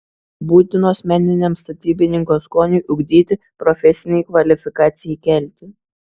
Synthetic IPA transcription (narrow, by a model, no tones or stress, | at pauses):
buːt̪ʲɪnoːsmʲɛnʲɪnʲɛmst̪ɐt̪ʲiːbʲɪnʲɪŋkoːskoːnʲʊʔʊɡʲd̪ʲiːt̪ʲɪ | pɾɔfʲɛsʲɪnʲɛɪkʋɐlʲɪfʲɪkɑːt̪sʲɪjɛɪkʲɛlʲˑt̪ʲɪ